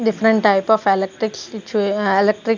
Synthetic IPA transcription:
ɖɪfɾə̃ɳʈʈːaɪpɔːfelek̚ʈɾɪkɪt͡ʃueelek̚ʈɾɪk

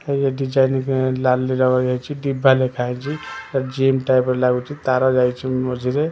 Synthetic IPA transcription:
ejeɖid͡ʒajnkelalːiɾʌɡɔd͡ʒat͡ʃʰiɖibʱːalekʰaɦɛt͡ʃʰiɾad͡ʒemʈajpɾlaɡut͡ʃʰit̪aɾɔd͡ʒajt͡ʃʰiəd͡ʒʱiɾe

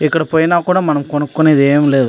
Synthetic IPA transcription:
ɛkːɐɽɐpoːjɐnaːkuːɽɐmɐnɐmkɔɳɐkːʊneðeːɐmɪlːɐð

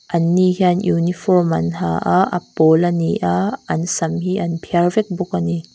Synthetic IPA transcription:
ʔɐnːihiɐnjunifɔrmɐ̰nha̰ʔaʔɐ̰polɐniʔaɐnsɐmhiʔɐnpʰiɐrvɛk̚bʊk̚ani

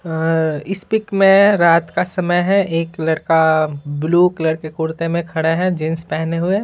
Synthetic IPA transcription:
ɪspɪkmẽɾaːt̪kasɐməjɦɛ̃ʔeːklɐɽkabluːklɐɽkekʊːɾt̪emẽkʰɐɽeɦɛ̃d͡ʒɪnspɛɦneɦʊe

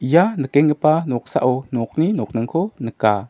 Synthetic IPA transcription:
janəkɛŋkəpanɔk̚sa̰ʔɔnɔk̚ninɔk̚nəŋkʰɔnəka

